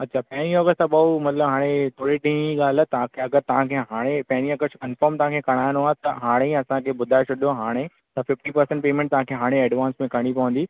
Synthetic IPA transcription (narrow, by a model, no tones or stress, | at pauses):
ɐtːt͡ɕʰaːpɐ̃ɦɪ̃ɾiɔːɡəsʈt̪ɐɓɐumɐt̪ləbɦaːɽ̃et̪ʰoːɽiʈĩːnd͡ʑiɠaːl̤ət̪ɐãkʰeɐɡəɾt̪ɐʋɦãkʰeɦaːɽ̃epɐ̃ɦɪ̃ɾiɔɡəkɐ̃nfɔːɾmt̪ɐʋ̤ɦãkʰeːkɐɽ̃aːjɪ̃noaːɦet̪ɐɦaːɽ̃eɐsãkʰeːbʊd̪ʱaːet͡ɕʰʊɗjoɦaːɽ̃e | t̪ɐfɪfʈipɐɾsɛ̃ɳʈpeːmẽɳʈ̚t̪ɐɦãːkʰeːɦaːɽ̃eɛːɖʋãːnsmẽkɐɽ̃ipɐʋə̃nd̪iː